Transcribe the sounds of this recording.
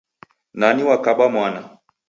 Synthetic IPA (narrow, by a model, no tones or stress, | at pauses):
naniwakaɓamwana